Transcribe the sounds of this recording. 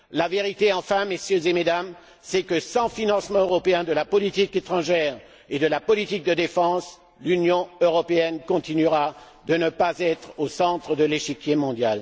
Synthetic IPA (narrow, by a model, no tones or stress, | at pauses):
laveʁit̪eɑ̃fɛ̃mesjøzemed̪am | sɛkəsɑ̃finɑ̃smɑ̃øʁɔpeɛ̃d̪əlapɔlit̪iket̪χɑ̃ʒɛʁ | ed̪əlapɔlit̪ik̚d̪əd̪efɑ̃s | lynjɔ̃øʁɔpeɛnkɔ̃t̪inyʁa | d̪ənəpazɛt̪χosɑ̃t̪χəd̪əleʃikʲjemɔ̃d̪jal